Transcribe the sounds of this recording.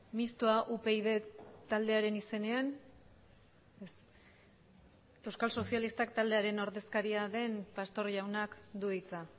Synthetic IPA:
mist̪oaʔupe̞ið̞e̞t̪ald̪e̞aɾe̞nise̞ne̞an | es | e̞wskalso̞sialist̪akt̪ald̪e̞aɾe̞no̞ɾðe̞skaɾiaðe̞mpast̪o̞ɾʎawnakd̪uit͡sa

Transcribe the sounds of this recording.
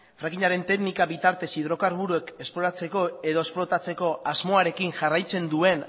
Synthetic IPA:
fɾakiɲaɾe̞nt̪e̞ɡnikaβit̪aɾt̪e̞sið̞ɾo̞kaɾβ̞uɾue̞ke̞splo̞ɾat͡se̞ko̞e̞ðo̞esplo̞t̪at͡se̞ko̞azmo̞aɾe̞kinʝarajt͡se̞nd̪ue̞n

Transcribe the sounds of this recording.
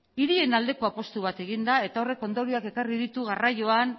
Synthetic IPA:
iɾie̞nald̪e̞ko̞apo̞st̪uβ̞at̪e̞ɣind̪ae̞t̪ao̞re̞ko̞nd̪oɾioake̞kariðit̪uɣarajo̞an

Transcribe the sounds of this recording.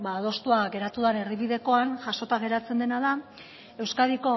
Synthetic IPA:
baːðo̞st̪uaɣe̞ɾat̪uðane̞riβiðe̞ko̞anʝaso̞t̪aɣe̞ɾat͡se̞nd̪e̞naða | e̞wskaðiko̞

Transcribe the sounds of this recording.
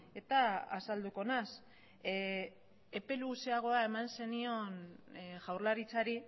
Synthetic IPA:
e̞t̪aasald̪uko̞nas | epe̞luseaɣ̞o̞ae̞manse̞nio̞nʝawɾlaɾit͡saɾi

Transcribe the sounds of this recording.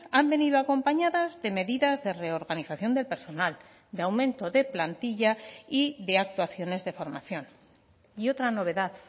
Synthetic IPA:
ambe̞niðoako̞mpaɲaðazðe̞me̞ðiðazðe̞re̞o̞ɾɣaniθaθjo̞nd̪elpe̞ɾso̞nal | d̪eawmẽ̞nt̪o̞ðe̞plant̪iʝaiðe̞ak̚t̪waθjo̞ne̞zðe̞fo̞ɾmaθjo̞n | io̞t̪ɾano̞β̞e̞ðað

